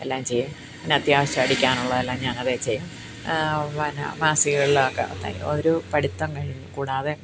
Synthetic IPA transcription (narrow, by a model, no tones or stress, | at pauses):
elːaːmt͡ɕe̞jːum | pinːɐt̪jaːʋɐɕjɐpɐɽikʲːaːnuɭːɐðelːaːmɲaːnɐðeːt͡ɕe̞jːum | ʋɐnɐ̰maːsiɣɐɭilokːḛt̪ːɐ̰joɾupɐɽit̪ːɐmkɐɻiɲːukuːɽaːðe